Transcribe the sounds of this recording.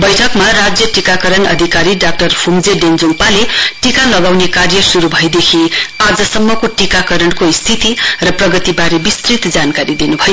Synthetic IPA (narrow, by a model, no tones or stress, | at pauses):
bʌjʈʰʌkmaɾad͡zjʌʈikakʌɾʌnʌ̰d̪ʱikaɾiɖak̚ʈʌrpʰumd͡zeɖend͡zompaleʈikalʌɡawnekarjʌsuɾubʱʌjd̪ekʰiad͡zʌsʌmːʌkoʈikakʌɾʌɳkoist̪ʰit̪irʌprʌɡʌt̪ibaɾebist̪rit̪d͡zankaɾid̪inubʱʌjo